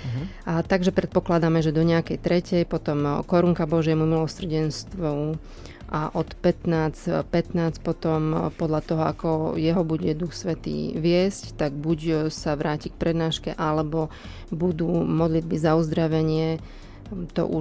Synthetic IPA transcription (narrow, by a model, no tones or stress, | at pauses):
t̪aɡʒɛpɾɛt̪̚pɔklad̪amɛʒɛd̪ɔɲɛakɛjt̪ɾɛcɛjpɔt̪ɔmkɔɾuŋkabɔʒɪɛmumilɔsr̩ɟɛnst̪ʋɔ | ʔaʔɔt̪pɛt̪naːt͡spɛt̪naːt͡spɔt̪ɔmpɔd̪ʎat̪ɔɦɔa̰kɔjɛɦɔbuɟɛd̪uxsʋɛt̪ḭːʋɪɛsct̪aɡ̚buɟsaʋɾaːcik̚pɾɛd̪naːʃkɛʔalɛbɔ | bud̪uːmɔd̪lid̪̚bizauzd̪ɾaʋɛɲɪɛ | t̪ɔ̰ʔu